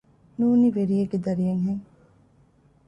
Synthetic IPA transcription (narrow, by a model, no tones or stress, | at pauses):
nuːniʋeɾieɡed̪ɐɾijeŋɦeŋ